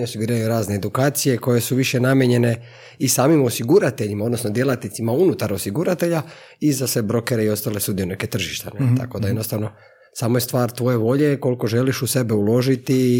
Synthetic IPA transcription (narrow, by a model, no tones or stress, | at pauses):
ɲeosiɡuɾiːajuɾaːzneed̪ukaːt̪sije̞ko̞je̞suʋiʃe̞namjeɲe̞ne̞ | isaːmimo̞siɡuɾat̪e̞ʎimao̞d̪nosno̞d̪je̞lat̪nit̪simaunut̪aɾo̞siɡuɾat̪e̞ʎa | izasʋe̞bɾo̞ke̞ɾe̞io̞st̪aːle̞sud̪ijuneket̪r̩ʒiʃt̪enet̪a̰ko̞d̪ajenost̪aʋno̞ | saːmojest̪ʋaːɾt̪ʋo̞je̞ʋo̞ʎe̞ko̞lko̞ʒe̞liʃuse̞beulo̞ʒit̪i